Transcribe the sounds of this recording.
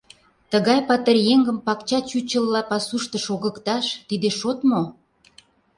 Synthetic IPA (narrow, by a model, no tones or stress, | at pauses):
t̪əɣɑjpɑt̪ərjeŋɡə̆mpɑkt͡ɕɑt͡ɕut͡ɕə̆lːɑpɑsuʃt̪ə̆ʃoɣə̆kt̪ɑʃt̪id̪eʃot̪mo